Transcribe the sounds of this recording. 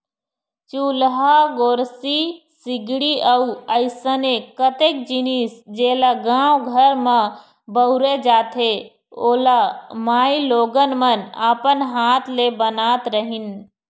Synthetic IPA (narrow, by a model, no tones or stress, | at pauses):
t͡ʃuːlɦaɡoːɾsi | sɪɡɽiʔəuəɪsənekət̪eːk̚d͡ʒɪnisd͡ʒeːlaɡãːwɡʱəɾmã | bəʊɾed͡ʒaːt̪ʰɦe | oːlamaːiloːɡənmənaːpənɦaːt̪ʰlebənaːt̪ɾəɦɪn